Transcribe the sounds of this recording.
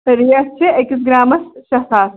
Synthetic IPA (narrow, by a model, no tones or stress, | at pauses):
ɾijɐst͡ʃʰeekis̬ɡɾaːmɐsʃɐsaːs